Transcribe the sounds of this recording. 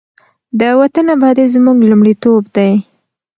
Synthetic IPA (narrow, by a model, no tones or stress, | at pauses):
d̪əwat̪ənabɑd̪ezmuɡlumɽit̪obd̪aj